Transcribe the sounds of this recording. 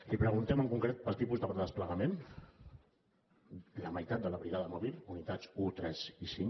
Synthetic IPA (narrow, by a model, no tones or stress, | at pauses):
lipɾəɣunt̪ɛməŋkuŋkɾet̪̚pəlˠt̪ipuzðəpɾəðəspləɣəmen | ləməjt̪at̪̚d̪ələβɾiɣaðəmɔβilˠunit̪at͡sut̪ɾɛzisiŋ